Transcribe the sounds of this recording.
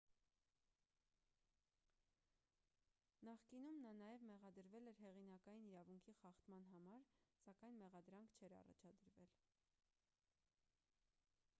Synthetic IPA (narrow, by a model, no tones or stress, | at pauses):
nɑχkinumnɑnɑjɛvmɛʁɑd̪əɾvɛlɛɾɦɛʁin̪ɑkɑjiniɾɑvuŋkʰiχɑχt̪mɑn̪ɦɑmɑɾsɑkɑjnmɛʁɑd̪ɾɑŋkʰt͡ʃʰɛɾɑ̰rɑ̰t͡ʃʰɑd̪əɾvɛl